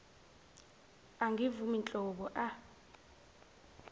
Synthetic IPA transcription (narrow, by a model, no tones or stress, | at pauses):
aŋɡʱivumint͡ɬʼɔɓɔʔa